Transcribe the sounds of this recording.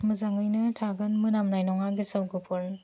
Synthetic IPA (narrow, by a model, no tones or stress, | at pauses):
mɯzaŋɯjnɯtʰaɡɯnmɯnamnajnɔŋaɡisɯwɡɯpʰɔɾn